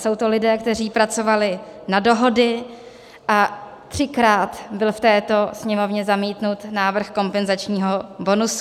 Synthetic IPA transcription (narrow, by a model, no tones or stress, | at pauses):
so̞wt̪o̞lɪdɛːkt̪ɛriːpɾat͡so̞valɪnado̞ɦo̞dɪ | ʔa | t̪r̝̥ɪkɾaːt̪bɪlft̪ɛːt̪o̞sɲɛmo̞vɲɛzamiːt̪nut̪naːvr̩xko̞mpɛnzat͡ʃɲiːɦo̞bo̞nus